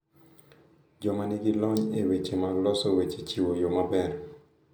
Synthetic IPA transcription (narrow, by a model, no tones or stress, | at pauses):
d͡ʒɔmaniɡilɔɲewet͡ʃemaɡlɔsowet͡ʃet͡ʃiwojomabɛɾ